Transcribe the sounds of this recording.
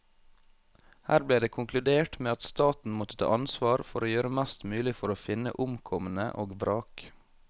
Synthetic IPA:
hæːɾbliːd̪eːkʰʊŋklʉd̪eːʈmeːɑt̪st̪ɑːt̪n̩mɔt̪ət̪ʰɑ̰ːʔɑnsʋɑːɾfɔɾoːjøːɾəmæst̪mʉːlɪfɔɾoːfɪnə̰ʔʊmkʰɔmənə̰ʔoːɡbɾɑːk

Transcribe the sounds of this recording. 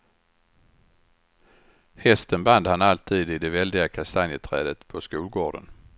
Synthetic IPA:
hɛst̪ənband̪hanalt̪ʰiːd̪ɪd̪ɛvɛld̪ɪɡakʰasanjət̪ʰɾɛ̰ːd̪ət̪pʰɔskuːlɡoːɖə̰n

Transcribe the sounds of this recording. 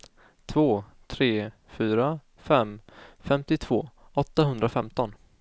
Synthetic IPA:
t̪ʰvoːt̪ʰɾeː | fyːɾa | fɛmfɛmt̪ɪt̪ʰv̥oːɔt̪ːaɦɵnd̪ɾafɛmt̪ɔn

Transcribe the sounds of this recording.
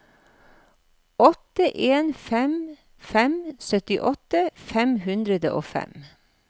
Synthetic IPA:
ɔt̪əʔeːnfɛm | fɛmsœt̪ɪʔɔt̪əfɛmhʉnd̪ɾəd̪ə̰ʔoːfɛ̰m

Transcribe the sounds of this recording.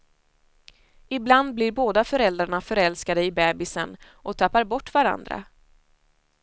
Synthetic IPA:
ɪbland̪̚blɪɾboːd̪afœɾɛld̪ɾaɳafœɾɛlskad̪əɪbɛːbɪsən | ʔɔt̪ʰapːaɾbɔʈːvaɾa̰nd̪ɾa̰

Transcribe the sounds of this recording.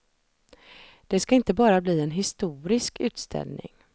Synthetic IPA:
d̪̥ɛskaɪnt̪əbɑːɾabliːɛnɦɪst̪uːɾɪskʉ̟ːt̪st̪ʰɛ̰lnɪ̰ŋ

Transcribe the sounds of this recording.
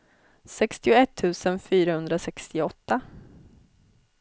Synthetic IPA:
sɛkst̪ɪʊɛt̪ʰːʉ̟ːsənfyːɾahɵnd̪ɾasɛkst̪ɪɔt̪ːa

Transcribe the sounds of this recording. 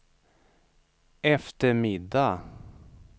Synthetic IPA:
ʔɛft̪əɾmɪd̪a

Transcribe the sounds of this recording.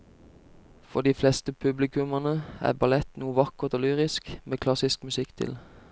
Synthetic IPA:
fɔʁd̪iːflɛst̪əpʰʉblɪkʉmɑnəæ̰ːbɑlɛt̪nuːəʋɑkəʁt̪oːlyːʁɪskmeːkʰlɑsɪskmʉsɪkt̪ʰɪ̰l

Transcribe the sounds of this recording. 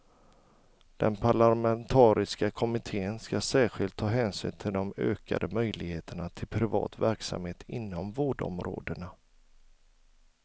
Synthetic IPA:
d̪̥ɛnpʰaɭamɛnt̪ʰɑːɾɪskakʰɔmɪt̪ʰeːənskasæːɾɧɪlt̪ʰːɑːɦɛːnsy̰ːnt̪ʰɪld̪ɔmøːka̰d̪əmœjlɪɡheːt̪ʰəɳat̪ʰɪlpʰɾɪvɑ̰ːt̪væɾksa̰mheːt̪ʰɪnːɔmvoːɖɔ̰mɾo̰ːd̪əɳa

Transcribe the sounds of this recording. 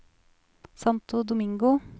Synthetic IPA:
sɑnt̪ʰʊd̪ʊmɪŋɡʊ

